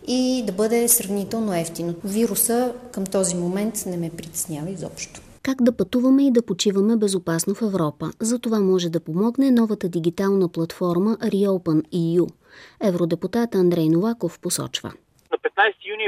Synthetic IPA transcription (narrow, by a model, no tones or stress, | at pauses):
id̪ɐbɤd̪ɛsɾɐvnit̪ɛlˠnoɛft̪inoviɾusəkəmt̪ɔzimomɛnt̪nɛmɛpɾʲit̪ɛ̥snʲavəizɔ̰pʃt̪o̥ | kaɡd̪ɐpɐt̪uvɐmɛid̪ɐpot͡ʃivɐmɛbɛzopasnofɛvɾɔpəzɐt̪ovamɔʒɛd̪ɐpomɔɡnɛnɔvət̪əd̪iɡit̪alˠnəplˠɐt̪fɔɾməʔɾioʊpəniju | ɛvɾod̪ɛput̪at̪ɐnd̪ɾɛjnolˠakofposɔ̰t͡ʃvə̰ | nɐpɛt̪̚najst̪ijunʲi